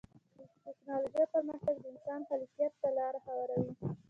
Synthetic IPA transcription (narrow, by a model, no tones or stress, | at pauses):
d̪ət̪ɪknɑloʒajpəɾməxk̪aɡd̪əɪnsɑnhalfijat̪ːalɑɾaxawɑɾawi